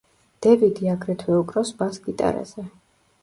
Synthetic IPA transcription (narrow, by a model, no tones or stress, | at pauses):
d̪̥ɛvid̪iaɡɾɛt̪ʰwɛukʼɾɔsbasɡit̪ʼa̰ɾa̰z̥ɛ